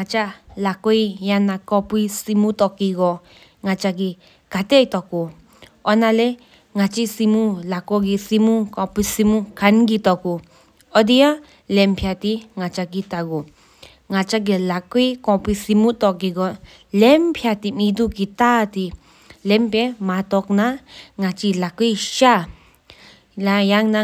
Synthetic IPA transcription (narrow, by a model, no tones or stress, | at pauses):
ŋat͡ʃalakoijanãkopisimũt̪okiɡo | ŋãt͡ʃak̬i | kat̪eit̪oku | onãle | ŋãt͡ʃisimũlakoɡisimũkõpisimũkanɡit̪oku | od̪ia | lempʰjat̪iŋat͡ʃaɡit̪aɡu | ŋat͡ʃaɡ̬elakuikɔ̃pisimũt̪ɔɡiɡɔ | lempʰjat̪imĩd̪ukit̪at̪i | lempemãt̪ɔknãŋat͡ʃilakujʃa | lajaŋnã